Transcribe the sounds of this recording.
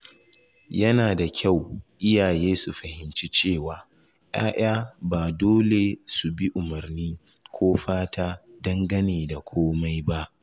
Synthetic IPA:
jɐ˦naː˨da˨kʲʰa˦˨wʔɪ˦jaː˨jeː˦su˨ɸɐ˨hɪ˨mt͡ʃi˦t͡ʃeː˦˨waː˨ | ʔj̰a̰ː˦ʔaː˦baː˨doː˦le˨su˨bi˦ʔʊ˨mɐ˨rniː˦ | kʷoː˦ɸaː˦tʰaː˦dɐ˦ŋɡɐ˦neː˨da˨kʷʰoː˦ma˦jba˦ʔ

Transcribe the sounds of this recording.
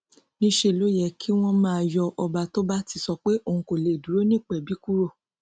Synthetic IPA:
nĩ˦ʃe˦˨lo˦jɛ˨kʰi˦w̃ɔ̃˦mãː˦˧˨jɔ˧ʔɔ˧ba˧to˦ba˦ti˧sɔ˧k͡pe˦ʔõ˦˨˧ko˨le˨du˨˦ɾo˦nĩ˦˨k͡pɛ˨bi˨˦ku˦ɾo˦˨

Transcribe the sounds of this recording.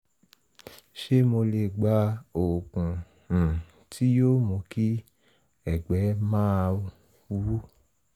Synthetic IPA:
ʃe˦mo˧le˧ɡ͡ba˨˧˦o˨kũ˨ | tʰi˦jo˦˨mõ˨˧˦ki˦ | ɛ˨ɡ͡bɛ˨˦mãː˦˧˦ | u˦

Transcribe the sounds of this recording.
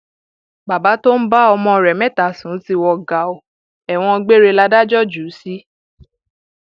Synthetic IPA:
ba˨ba˨˦to˦n̩˦ba˦ɔ˧mɔ̃˧˨ɾɛ˨mɛ̃˦˨ta˨˦˨sũ˨˦ti˧wɔ˧ɡa˨˦o˨ | ɛ˨w̃ɔ̃˧ɡ͡be˦ɾe˧la˦da˦d͡ʒɔ˦d͡ʒu˨˦si˦

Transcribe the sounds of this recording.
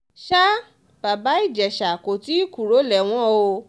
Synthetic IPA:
ʃa˦ | b̥a˨ba˨˦i˦˨d͡ʒɛ˨ʃa˨ko˨ti˦i˦ku˨ɾo˨˦lɛ˨w̃ɔ̃˦o˧

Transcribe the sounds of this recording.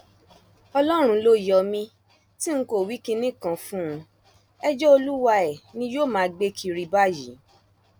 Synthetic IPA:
ɔ˧lɔ˦ɾ̃ũ˧lo˦jɔ˨˧mĩ˧ | ti˦ŋ̩˦ko˦˨wi˨˦ki˧nĩ˦kã˧fũ˦ũ˧ | ɛ˦d͡ʒɔ˦o˧lu˦wa˧ɛ˨nĩ˧joː˦˨mãː˨˧ɡ͡be˦kʰi˧ɾi˧ba˦˨jḭ˨˦

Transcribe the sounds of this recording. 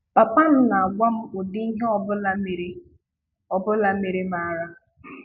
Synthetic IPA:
pa˨pa˦n̩˦na˨a˨ɡʷa˦m̩˦ʊ˨di˦i˦ɦe˦ɔ˦bʊ˦la˦me˨ɾe˦ | ɔ˨bʊ˦la˨me˨ɾe˦ma˨˦˨ɾa˦

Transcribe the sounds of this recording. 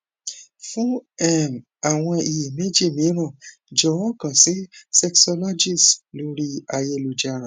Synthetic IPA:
fũ˦ɛ˦˨m | a˨w̃ɔ̃˧i˨ji˨me˦d͡ʒi˦˨mĩ˨˦ɾ̃ã˦˨ | d͡ʒɔ˨wɔ̃˦kã˨si˨˦sɛ˧ksɔ˧lɔ˦d͡ʒi˦˨slo˨˦ɾi˦a˧je˧lu˨d͡ʒa˧˦ɾã˨˦˨

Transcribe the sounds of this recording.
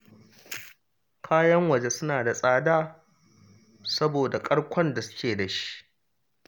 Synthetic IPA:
kʰaː˦jɐ˦ŋwɐ˨d͡ʒe˦sʊ˦naː˨da˨sʼaː˦daː˦ | sɐ˦boː˨da˨kʼɐ˦ɽkʷɔ˦nda˨sʊ̥˦kʲeː˨da˨ʃi̥˦ʔ

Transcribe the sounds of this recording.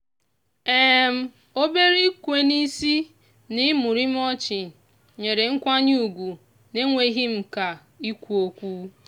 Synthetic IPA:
e˦˨m̩˦ | o˦be˦ɾi˦kʷe˨ni˦si˦ | nɪ˦mʊ˨ɾi˦m˦ɔ˦t͡ʃɪ˨ | ɲe˨ɾe˨ŋ̩˦kʷa˦ɲ˦u˨ɡʷu˨ | ne˦ŋʷe˨˦ɦi˦m̩˨ka˨ | i˦kʷu˦o˦kʷu˦

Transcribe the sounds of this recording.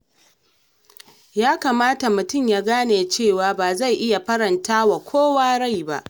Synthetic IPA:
jaː˦kaː˨maː˦ta˨mʊ˨tʊ˦˨mjaː˦ɡaː˦neː˨t͡ʃeː˦˨waː˨baː˨za˦˨jʔɪ˦ja˨ɸɐ˦ɽɐ˨ntaː˦wa˨kʷʰoː˦waː˦ɽa˦˨jba̰˦ʔ

